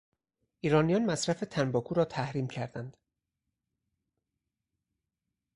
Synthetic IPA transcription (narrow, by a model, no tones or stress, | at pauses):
ʔiːɾɒːnijɒːnmæsɾæfe̞t̪ʰænbɒːkʰuːɾɒːt̪ʰæhɾiːmcʰæɾd̪ænd̪̥